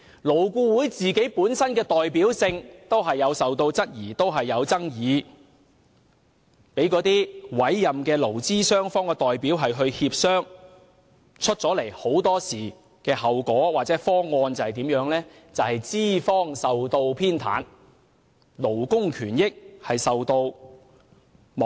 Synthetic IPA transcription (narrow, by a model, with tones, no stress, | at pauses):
lo˨˩wkʷuː˧wuː˨˥jt͡siː˨ke˨˥jpuː˨˥nsɐ˥nkɛː˧t̪ɔː˨jpiː˨˥wsɪ˧ŋt̪o˥wɦɐ˨jːɐ˨˧wsɐ˨wt̪o˧wt͡sɐ˥t̚jiː˨˩t̪o˥wɦɐ˨jːɐ˨˧wt͡sɐ˥ŋjiː˨˧ | pe˨˥jkɔː˨˥t̪iː˥wɐ˨˥jːɐ˨mkɛː˧lo˨˩wt͡siː˥sœː˥ŋfɔː˥ŋkɛ˧t̪ɔː˨jpiː˨˥wɦɐ˨jɦɵ˧ɥhiː˧p̚sœː˥ŋ | t͡ʃʰɵ˥t̚t͡sɔː˨˥le˨˩jho˨˥wt̪ɔː˥siː˨˩ | kɛː˧ɦɐ˨wkɔː˨˥waː˨t̚t͡sɛː˨˥fɔː˥ŋɔː˧nt͡sɐ˨whɐ˨t̪iː˨˥mjœː˨˥ŋlɛː˥ | t͡sɐ˨whɐ˨jt͡siː˥fɔː˥ŋsɐ˨wt̪o˧wpʰiː˥nt̪ʰa̰ː˨˥n | lo˨˩wkʊ˥ŋkʰyː˨˩njɪ˥k̚hɐ˨jsɐ˨wt̪o˧w | m˨